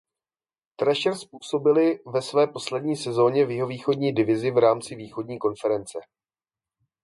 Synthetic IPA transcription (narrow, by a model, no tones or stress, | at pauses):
t̪ɾɛʃɛɾspuːso̞bɪlɪvɛsvɛːpo̞slɛdɲiːsɛzo̞ːɲɛvjɪɦo̞viːxo̞dɲiːdɪvɪzɪvɾaːmt͡sɪviːxo̞dɲiːko̞nfɛɾɛnt͡sɛ